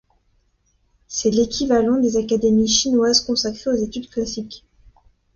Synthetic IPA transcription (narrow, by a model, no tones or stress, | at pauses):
sɛlekʲivalɑ̃d̪ezakad̪emiʃinwazkɔ̃sakχeozet̪yd̪klasik